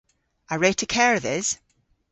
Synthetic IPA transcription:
əɹetʰəkʰɛɹəðɪz̥

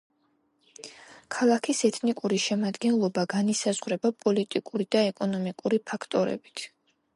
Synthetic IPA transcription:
kʰalˠakʰisɛt̪ʰnikʼuɾiʃɛmad̪ɡɛnlˠɔbaɡanisazʁɾɛbapʼɔlit̪ʼikʼuɾid̪aɛkʼɔnɔmikʼuɾipʰakʰt̪ʼɔɾɛ̰b̥i̥t̪ʰ

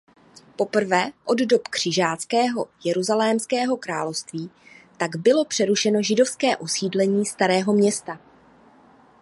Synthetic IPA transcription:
po̞pr̩vɛːʔo̞ddo̞pkr̥ɪʒaːt͡skɛːɦo̞jɛɾuzalɛːmskɛːɦo̞kɾaːlofst̪viːt̪aɡbɪlo̞pr̝̥ɛɾuʃɛnoʒɪdo̞fskɛːʔosiːdlɛɲiːst̪aɾɛːɦo̞mɲɛst̪a

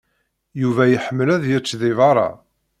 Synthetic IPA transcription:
juvæjəħəmːəlæðjət͡sːðɪvɑɾˤɑ̰

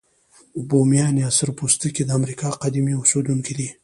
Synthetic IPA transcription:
bomjɑneasəɾpust̪əkid̪əamɾikɑqad̪imiʊsed̪uŋkid̪i

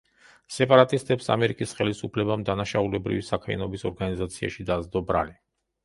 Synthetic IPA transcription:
sɛpʼaɾat̪ʼist̪ʼɛpsamɛɾikʼisχɛlisupʰlɛbamd̪anaʃaulɛbɾḭvisakʰmɛ̰nɔbisɔɾɡanizat̪sʰia̰ʃid̪azd̪ɔbɾa̰li

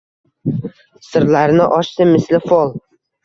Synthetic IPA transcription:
sɪɾlaɾnɪʔɒʃsɪmɪslɪfolˠ

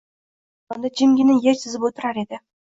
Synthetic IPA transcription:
sond̪ɑd͡ʒimɡʲinɪŋjeɾsɪzɪpwot̪ə̆ɾɑɾed̪ɪ

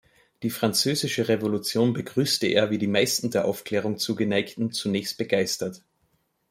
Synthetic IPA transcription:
d̥iːfʁ̥ant͡søːzɪʃəʁevolut͡sjoːnbəɡʁyːstəʔḛːɐviːdiːmaɪstn̩deːɐʔaʊfkleːʁ̞ʊŋt͡suːɡənaɪktn̩t͡sunɛːçst̚b̥əɡaɪstɐt

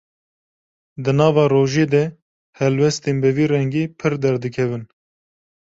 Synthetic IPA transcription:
d̪ɨnɑːvɑːroːʒeːd̪ɛ | hɛlwɛst̪eːnbɛviːrɛŋɡiːpʰɨɾd̪ɛɾd̪ɨkʰɛvɨn

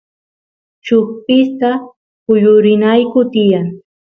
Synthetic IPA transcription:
t͡ʃʊχpɪst̪a | ʊjʊɾɪnajkʊt̪ɪjaŋ

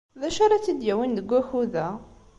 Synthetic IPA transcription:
ðæʃaɾˤɑt͡sːid̪jæwinðəɡʷːæxuðæ

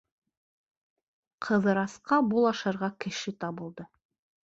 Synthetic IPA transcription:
qʰɤ̆ðɤ̆ɾɑsqɑbulˠɑʃɑ̆ɾʁɑkɘ̆ʃɘt̪ɑβɤ̆lˠd̪ɤ

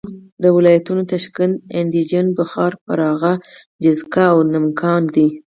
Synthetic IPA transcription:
d̪əwɪlɑjat̪unot̪aʃkand̪ɪnd̪id͡ʒanbəxɑɾpəɾɑɣa | d͡ʒɪzkaːwnɪmkʰɑnd̪i

